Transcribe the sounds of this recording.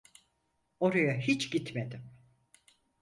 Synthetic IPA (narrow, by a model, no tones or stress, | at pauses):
o̞ɾajaɦit͡ʃɟit̪med̪ɪm